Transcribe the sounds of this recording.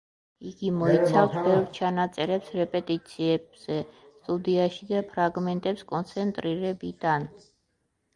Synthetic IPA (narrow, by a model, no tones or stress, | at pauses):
iɡimɔit̪sʰafsbɛvɾt͡ʃʰanat̪sʼɛɾɛpsɾɛpʼɛt̪ʼit̪sʰiɛbz̥ɛ | st̪ʼud̪iaʃid̪apʰɾaɡmɛnt̪ʼɛpskʼɔnt̪sʰɛnt̪ʼɾiɾɛbid̪an